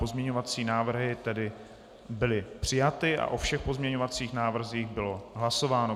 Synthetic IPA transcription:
po̞zmɲɛɲo̞vat͡siːnaːvr̩ɦɪt̪ɛdɪ | bɪlɪpr̝̥ɪjat̪ɪʔa̰ʔofʃɛxpo̞zmɲɛɲovat͡siːxnaːvr̩ziːxbɪlo̞ɦlaso̞vaːno̞

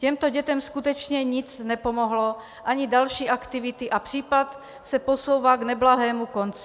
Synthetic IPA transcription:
cɛmt̪oɟɛt̪ɛmskut̪ɛt͡ʃɲɛɲɪt͡snɛpo̞moɦlo | ʔaɲidalʃiːʔakt̪ɪvɪt̪ɪʔapr̝̥iːpat̪ | sɛposo̞wvaːɡnɛblaɦɛːmukont͡sɪ

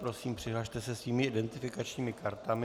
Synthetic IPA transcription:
pɾo̞siːmpr̝̥ɪɦlaʃt̪ɛsɛsviːmɪɪdɛnt̪ɪfɪkat͡ʃɲiːmɪkaɾt̪amɪ

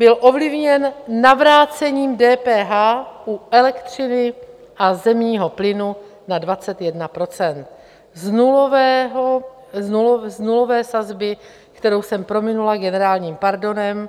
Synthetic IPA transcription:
b̥ɪlʔo̞vlɪvɲɛnːavɾaːt͡sɛɲiːmdɛːpɛːɦaːʔuɛlɛkt̪r̝ɪnɪ | ʔazɛmɲiːɦo̞plɪnu | nadvat͡sɛt̪jɛdnapɾo̞t͡sɛnt̪̚ | znuvɛɦ | zuznulo̞vɛːsazbɪ | kt̪ɛɾo̞wsɛmpɾo̞mɪnulaɡɛnɛɾaːlɲiːmpaɾdo̞nɛm

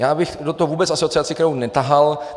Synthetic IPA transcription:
jaːbɪxdot̪oɦovuːbɛt͡sʔasoot͡sɪat͡sɪkɛɾownɛt̪aɦal

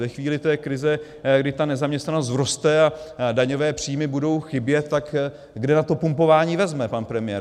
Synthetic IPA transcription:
ɛxviːlɪt̪ɛːkɾɪzɛ | ɡdɪt̪anɛzamɲɛst̪nanos̬t̪vɾost̪ɛadaɲo̞vɛːpr̝̥ijmɪbudo̞wxɪbjɛt̪ːak | ɡdɛnat̪o̞pumpo̞vaːɲiːvɛzmɛpanpɾɛmɪjɛː

